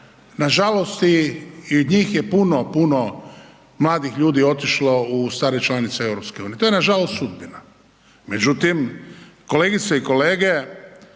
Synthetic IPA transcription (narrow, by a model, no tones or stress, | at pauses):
naʒalo̞st̪iiod̪ɲiːxje̞punopuno | mlˠaːd̪ixʎuːd̪io̞t̪iʃlo̞ust̪aːɾet͡ʃlanit̪seewɾopskeuniet̪ojenaʒalost̪sud̪̚bina | me̞d͡ʒut̪imko̞le̞ːɡit̪seiko̞le̞ːɡe